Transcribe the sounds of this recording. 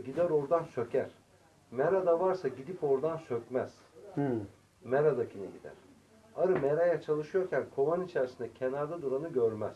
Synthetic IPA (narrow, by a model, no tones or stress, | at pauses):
ɟid̪æɾo̞ɾd̪ansø̞cʰæɾ̥ | meɾad̪avaɾsaɟid̪ipo̞ɾd̪ansø̞cʲmæz̥ | meɾad̪acʰinɛɟid̪æ̰ɾ̥ | aɾɯmeɾajat͡ʃʰalˠɯʃɯjo̞ɾcʰænkʰo̞vanit͡ʃʰæɾsind̪ɛcʰe̞naɾd̪ad̪uɾanɯɟøɾmæ̰z̥